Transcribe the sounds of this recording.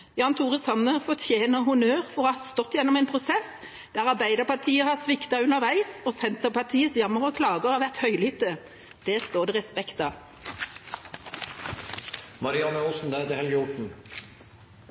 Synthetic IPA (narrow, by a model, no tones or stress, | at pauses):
jɑːnt̪ʰuːʁəsɑnəfɔt̪ʰjeːnəhʊnøːʁfɔhɑɑst̪ɔt̪ːjɛnːɔmɛeːnpʰʁʊsɛs | d̪̥æːʁɑʁbæɪd̪əʁpɑt̪ʰiːəhɑsʋɪkt̪ɑʉnəʁʋæɪsoːsɛnt̪əʁpɑt̪ʰiːəsjɑməʁəkʰlɑːɡəʁɑʋæʁt̪hœʏlhʏt̪ːə | d̪̥ɛːst̪oːʁd̪ɛʁɛspɛkt̪ɑ | mɑɾɪɑnəusn̩d̪æɛt̪əhɛləʊʈɳ̩